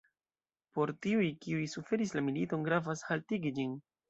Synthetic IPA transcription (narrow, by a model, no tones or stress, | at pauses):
po̞ɾtiujkiujsufe̞ɾislamilito̞nɡɾavashaltiɡid͡ʒin